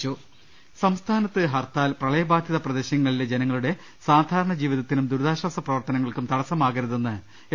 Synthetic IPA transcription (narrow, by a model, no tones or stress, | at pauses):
t͡ɕoː | sɐmst̪ʰaːnɐt̪ːɨɦɐrt̪aːlprɐɭɐjɐbaːd̪ʱjɐðɐprɐd̪eɕjɐŋːɐɭiled͡ʑenɐŋːɐɭuɽe̞ | saːd̪ʱaːɾɐɳɐd͡ʑiːʋiðɐt̪ːinumd̪uɾðaːɕwaːsɐprɐʋɐrt̪ɐnɐŋːɐɭkumt̪ɐɽɐsɐmaːɣɐɾɐðenːɨ